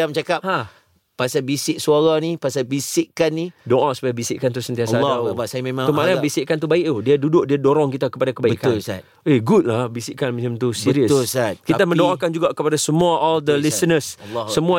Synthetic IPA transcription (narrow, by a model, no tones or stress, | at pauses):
amt͡ʃakapha | pasabisɪʔsuaɣanipasabisɪʔkanːidoʔasu̥pajabisɪʔkant̪̬usənt̪iasaabasajamemãŋəmanabisɪʔkant̪ubaɪʔt̪udiadudʊʔ̚diadoɾɔŋkit̪akəpadakəbaiəʔkanlsat̪ | eɡut̪̚labisɪʔkanmat͡ʃəmt̪usiɾiət̪sat̚kit̪amə̃ndoŋakand͡ʒuɡaʔkəpadasəmuaʔɔld̪əlisənəssəmũa